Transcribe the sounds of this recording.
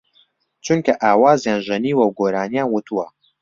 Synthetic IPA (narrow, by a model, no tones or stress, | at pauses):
t͡ʃʰunkɐʔaːwaːzjaːnʒɨniːwɐwɡoːɾaːnijaːnwut̪ʰuwɐ